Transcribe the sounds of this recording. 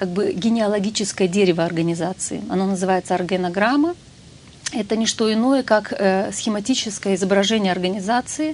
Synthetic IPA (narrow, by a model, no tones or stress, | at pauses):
kaɡ̚bɨɡʲɪnʲɪɐlˠɐɡʲit͡ɕɪskəjədʲeɾʲɪvəɐrɡənʲɪzat̪sɨ̰ɪ̰ɐ̰nonəzɨvajɪt̪səɐrɡʲənɐɡɾamːə | ɛt̪ənʲɪʂt̪o̞ɪno̞jəkakəsxʲɪmɐtʲit͡ɕɪskəjəɪzəbɾɐʐɛnʲɪjəɐrɡənʲɪzat̪sɨɪ